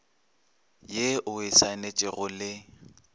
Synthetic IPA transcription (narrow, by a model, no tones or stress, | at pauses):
jeʔʊɪsaɪnet͡ʃʼɪɣʊlɪ